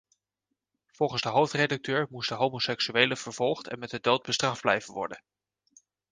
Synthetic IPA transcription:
v̥ɔlˠχənzdəɦowftredɑk̚tøːɹmustdəɦowmosɛksyʋejləv̥əɹv̥ɔlˠχtɛ̰nmɛt̚ədowd̚bəstrɑfd̚blɛ̰jvənʋɔ̰ɹdən

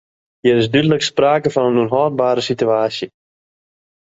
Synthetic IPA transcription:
ɦiəɾɪsdydələkspraːkəvɑnənunɦɔːrbaːɾəsityaːsjə

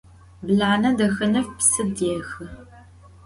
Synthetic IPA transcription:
bɮaːnɐdɐxɐnɐfpsɨdeːxɨ

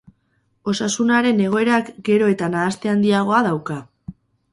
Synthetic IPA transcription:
o̞sasunaɾe̞ne̞ɣ̞o̞e̞ɾakɡe̞ɾo̞e̞t̪anaːst̪e̞and̪iaɣ̞o̞aðawka

